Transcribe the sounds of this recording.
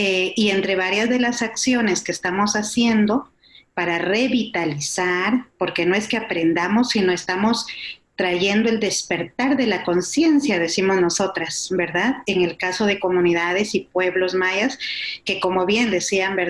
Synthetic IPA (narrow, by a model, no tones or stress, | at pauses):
eie̞nt̪ɾe̞βaɾjazðe̞lasaksjo̞ne̞ske̞ːst̪amo̞sasje̞nd̪o̞ | paɾare̞βit̪alisaɾpo̞ɾke̞no̞e̞ske̞apɾe̞nd̪amo̞sːino̞e̞st̪amo̞st̪ɾaʝe̞nd̪o̞e̞ld̪e̞spe̞ɾt̪aɾðe̞lako̞nsje̞nsjaðe̞simo̞zno̞so̞t̪ɾasbe̞ɾðaðe̞ŋe̞lkaso̞ðe̞ko̞mũniðað̞e̞sipwe̞βlo̞zmajaske̞ko̞mo̞βje̞nd̪e̞siambeɾ